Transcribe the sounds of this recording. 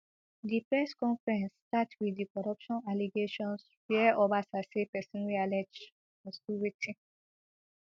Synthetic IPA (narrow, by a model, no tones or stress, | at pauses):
dipɹɛskɔ̃ɱfɹɛ̃nsːtatwidikɔɹɔpʃɔ̃naliɡeʃɔ̃ns | fiɛʔobasasepɛsĩnwialɛd͡ʒ | mɔstuɹitʰĩ